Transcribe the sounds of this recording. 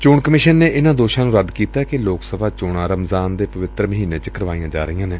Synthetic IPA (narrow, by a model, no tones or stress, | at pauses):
t͡ʃʊːɳkəmɪʃənːeːʔɪnãːd̪oːʃãːnũːɾəd̪kiːt̪aːkɪloːksəbʱaːt͡ʃoːɽãːɾəmzaːnd̪eːpəʋɪt̪ɾəməɦiːneːt͡ʃəkəɾʋaːijãːd͡ʒa̰ːɾəɦijãːneː